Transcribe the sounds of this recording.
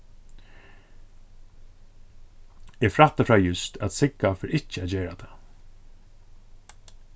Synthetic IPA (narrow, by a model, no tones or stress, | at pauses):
ɛfɾat̪afɹajʏst̪ʰæt̪sɪkːafɪɾɪht͡ʃːəæt̪d͡ʒɛːɹat̪ʰa